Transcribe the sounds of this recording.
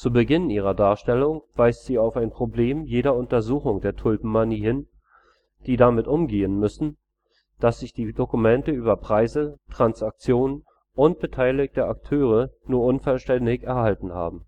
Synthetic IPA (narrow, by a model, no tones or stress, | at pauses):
t͡suːbəɡɪnʔiːʁ̞ɐdaːɐʃtɛlʊŋv̥aɪstz̥iːaʊfaɪnpʁ̥obleːmjeːɾɐʊntɐzuːxʊŋdeːɐtʰʊlbm̩maniːhɪn | d̥iːdamɪtʔʊmɡeːənmʏsn̩ | d̥asz̥ɪçd̥iːdokumɛntəyːbɐpʁ̥aɪzətʁ̥ansak̚t͡sjoːnən | ʔʊnt̚b̥ətʰaɪlɪk̚təʔak̚tʰøːʁ̞ənuːɐʔʊnfɔlʃtɛndɪçɛɐhaltn̩ha̰ːbm̩